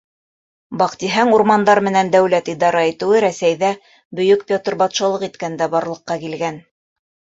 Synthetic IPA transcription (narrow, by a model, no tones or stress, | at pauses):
bɑqt̪iɦɑŋuɾmɑnd̪ɑɾmɘ̆nænd̪æwlæt̪id̪ɑɾɑit̪ɘ̆wɘɾæsæjðæ | bɵ̆jɵkpʲot̪rbɑt̪ʃɑlˠɤqit̪kænd̪æbɑɾlˠɤ̆qːɑkilɡæn